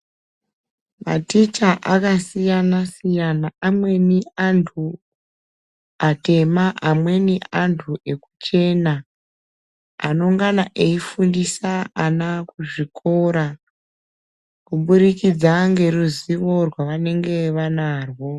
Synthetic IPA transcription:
ma̰tit͡ʃaʔakasijanasijanaamwe̞niantʰu | ate̞maʔamwe̞neʔantʰuʔe̞kut͡ʃe̞ːna | no̞ŋɡanaʔe̞ifundisaanakuʐikʰo̞ɾa | kuɓurikid͡zaŋɡe̞ruziʋo̞rwaʋane̞ŋɡe̞ʋanaːrwo̞

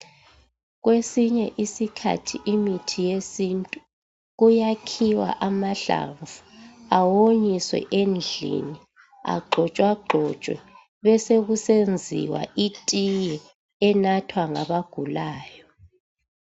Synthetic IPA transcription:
ɣwesiɲɛʔisikʰa̰tʰiʔimitʰijesintʼu | ɣujakʰiwa̰ʔamaɬa̰ɱvuawoɲiswɛ̰ʔend͡ɮʱḭni | a̰ɡ͡ǃʱɔt͡ʃʼwaɡ͡ǃʱɔt͡ʃʼwɛ̰ | βɛseɣusend͡zʱḭwa̰ʔitʼijɛ | ɛnatʰwaŋaβaɡ̥ʱulaːjɔ

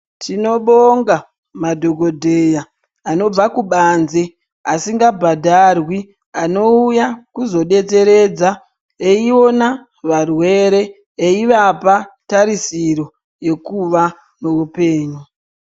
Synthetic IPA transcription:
tino̞ɓoŋɡa | madʱoɡʱo̞dʱeja | ano̞b͡vakuɓanze | asiŋɡabʱadʱarwi | ano̞ujakuzo̞ɗe̞t͡se̞ɾe̞d͡za | eio̞na | ʋarwe̞ɾe̞ː | iʋapataɾisiɾo̞ | je̞kuʋa | meupe̞ːɲu

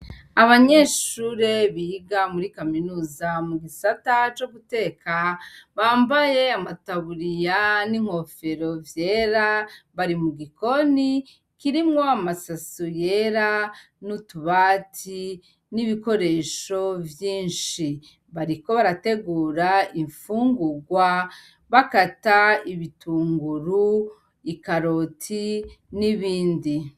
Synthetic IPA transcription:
aβaɲe̞ːʃuːɾe̞βiɡamuɾikaminuːzamuɡisatat͡ʃo̞ɡute̞ːkaβaːmbaje̞amataβuɾijaniŋ̥ho̞fe̞ɾo̞vje̞ːɾaβaɾimuɡiko̞ni | kiɾimŋo̞amasasuje̞ɾa | nutuβaːtʰi | niβiko̞ɾe̞ːʃo̞vjiːnʃi | βaɾiko̞βaɾate̞ɡuːɾaiɱfuːŋɡuɡwa | βakataiβitʰuːŋɡuɾu | ikaɾo̞tʰiniβiːndi

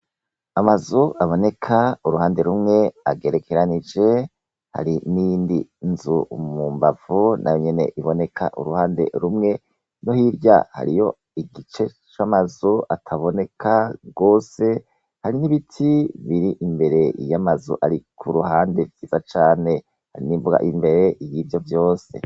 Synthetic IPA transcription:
amazuʔaβo̞ne̞kʰauɾuhaːnde̞ɾumŋe̞aɡe̞ɾe̞kʰe̞ɾanid͡ʒe̞ | ha̰ɾinijiːndinzumuːmbav̥unʔa̰joɲe̞ne̞̰ʔiβo̞ne̞kʰa̰ʔṵɾuhaːnde̞̰ɾumŋe̞ | no̞hiɾɟa̰ha̰ɾijo̞ | iɡit͡ʃe̞ | t͡ʃamazuʔatʰaβo̞ne̞kʰaɡ̥o̞ːse̞ | haɾiniβitʰiβiɾiʔimbe̞ɾe̞ijamazṵʔaɾikʰuɾuhaːnde̞vɟiːzat͡ʃaːne̞ | ha̰ɾiniɱvuɡa̰ʔimbe̞ɾe̞ʔijivjo̞vjo̞ːse̞̰

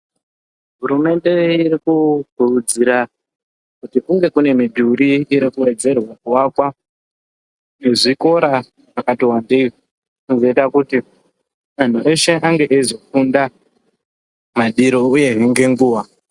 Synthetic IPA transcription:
ɦuɾume̞nde̞iɾikuɡ̥ʱurud͡ziɾa | kutikuŋɡe̞kune̞midʱuɾiːɾikuwe̞d͡ze̞rwakuwakwa | neʐiko̞ɾa | akatiwandei | kunzoitakuti | man̤uʔe̞ʃe̞ʔaŋɡe̞ʔezokunda | maɗiɾo̞uje̞ɦeŋɡe̞ŋɡuːwa

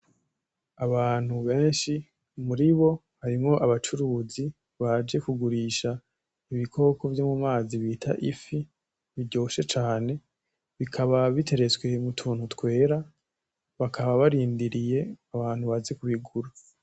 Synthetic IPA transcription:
aβaːn̥huβe̞ːnʃi | muɾiβo̞ | haɾimŋo̞ʔaβat͡ʃuɾuːzi | βad͡ʒe̞kuɡuɾiːʃa | iβikʰo̞ːko̞vjo̞mumaːziβiːtʰa̰ʔifi | βiɟo̞ːʃe̞t͡ʃaːne̞ | βikʰaβaβitʰe̞ɾe̞t͡swe̞mutʰuːn̥hutkwe̞ːɾa | βakʰaβaβaɾiːndiɾije̞aβaːn̥huβaze̞kuβiɡuɾa

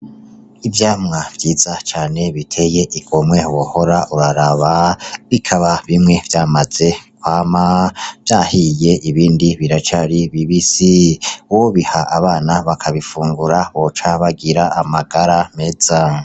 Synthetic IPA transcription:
ivjaːmŋavjiːz̥at͡ʃaːne̞βitʰe̞je̞ʔiɡ̥omwewoho̞ɾaʔuɾaɾaβaβikʰaβaβimŋe̞vjaːmaz̥e̞kwaːmav̥jaːhije̞ʔiβiːndiβiɾat͡ʃaɾiβiβisiwoβihaʔaβaːnaβakʰaβifuːŋɡuɾaβo̞t͡ʃaβaɡiɾaamaɡaɾame̞z̥a

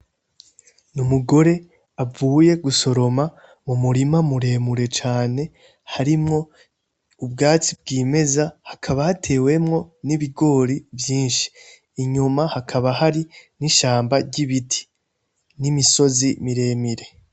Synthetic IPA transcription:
numuɡo̞ɾe̞ | auːje̞ɡuso̞ɾo̞ma | mumuɾimamuɾe̞ːmuɾe̞t͡ʃaːne̞ | haɾimŋo̞ | ub̚ɡaːt͡sib̚ɡiːme̞zahakʰaβahatʰe̞ːwe̞mŋo̞niβiɡo̞ːɾivjiːnʃi̥ː | ɲumahakʰaβahaɾiniʃaːmbaɟiβitʰi̥ | nimiso̞zimiɾe̞ːmiɾe̞

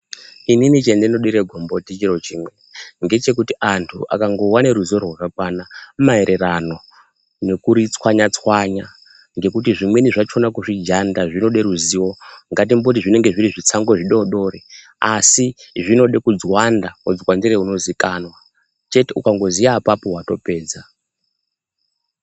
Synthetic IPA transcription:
ininit͡ʃendenoɗiɾeɡʱombotit͡ʃiro̞t͡ʃiːmweŋɡe̞t͡ʃe̞k̬utiʔantʰṵʔa̰kaŋɡo̞waneɾuzio̞rwarak̚wanamaeɾʔe̞rano̞ | nekuɾit͡swaɲat͡swaɲa | ŋɡe̞kutiʐimwe̞niʐat͡ʃonakuʐid͡ʒandaʐino̞ɗe̞ɾuziwo̞ŋɡat̬imbot̬iʐine̞ŋɡe̞ʐiɾiʐit͡saŋɡo̞ʐiɗoɗo̞ɾe | asiʐino̞ɗekud͡zwandaud͡zwandiɾeuno̞zikanwa | t͡ʃe̞teukaŋɡo̞ziaːpapo̞ɦwato̞pe̞ːd͡za

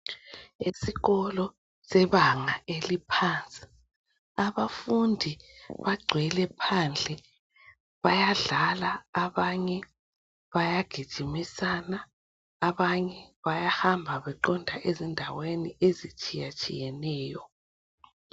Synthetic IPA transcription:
esiɣɔlɔ | sɛβaŋaelipʰaːnt͡sʼi̥ | aβafundʱiβaɡ͡ǀʱwɛlɛpʰand͡ɮʱɛ | βajaɮalaːβaɲɛ | βajaɡ̥ʱid̥ʒ̥ʱimisanaː | βaɲɛβajahambʱaβɛǃɔndʱaʔezindʱaweniezit͡ʃʼijat͡ʃʼḭjɛnɛːjɔ

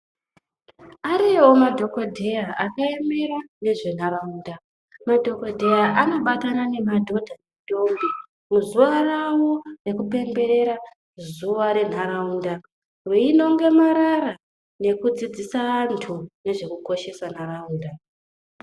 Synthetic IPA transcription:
aɾeomadʱo̞ko̞dʱe̞jaakaeme̞ɾane̞ʐe̞n̤aɾauːnda | madʱo̞ko̞dʱe̞jaʔano̞ɓatanane̞madʱo̞dʱaneido̞mbi | muzuʋarawo̞re̞kupe̞mbe̞ɾe̞ɾa | zuʋaɾe̞n̤aɾauːnda | rwiino̞ŋɡe̞maɾara | ne̞kud͡zid͡zisaʋantʰune̞ʐe̞kuko̞ʃe̞san̤arauːnda

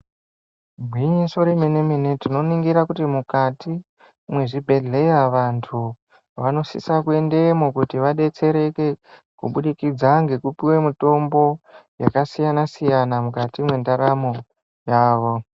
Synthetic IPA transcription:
mʱwiɲiso̞ɾemineminetino̞niŋɡiɾakutimukati | mwe̞ʐibʱe̞ɮejaʋantʰu | ʋano̞sḭsakue̞nde̞mokutiʋaɗe̞t͡se̞ɾe̞ke̞ | kṵɓuɗikid͡zaŋɡe̞kupiwe̞mito̞mbo̞ja̰kasijanasijanamukatimwe̞ndaɾamo̞ | jaːʋo̞

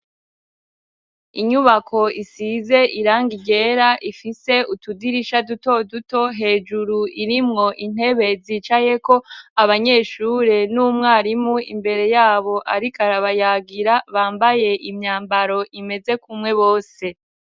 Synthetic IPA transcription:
iɲuβakʰo̞isize̞ʔiɾaːŋɡiɟe̞ɾaʔifise̞utudiɾiʃaduto̞duto̞ɦe̞ːd͡ʒuɾuiɾimŋo̞ʔin̥he̞βe̞ziːt͡ʃaje̞ko̞aβaɲe̞ːʃuɾe̞numŋaːɾimuḭmbe̞ɾe̞jaːβo̞ʔaɾikaɾaβajaːɡiɾaβaːmbaje̞ʔimɲaːmbaɾo̞ʔime̞ze̞kumŋe̞βo̞ːse̞

